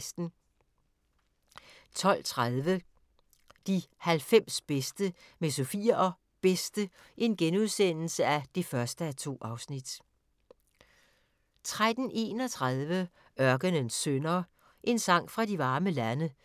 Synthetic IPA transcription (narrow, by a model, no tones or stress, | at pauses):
sd̥n̩ | t͡sʰɒ̽l̰t͡sʰʁaðˠʋə | d̥ihælfem̰sb̥esd̥əmesofiɐʔɒ | b̥esd̥ə | ʔe̝nɡ̥enuð̞ˠsen̰l̩səæd̥e̝fɶɐsd̥əæt͡sʰo̝̰ːʔɑ̈ʊsnid̥ | t͡sʰʁad̥n̩ʔe̝̰ːnɒ̽t͡sʰʁaðˠʋə | ɶɐɡ̥ənənsːønɐ | ʔe̝nsɑ̈ŋ̰fʁɑ̈diʋɑ̈ːməlænə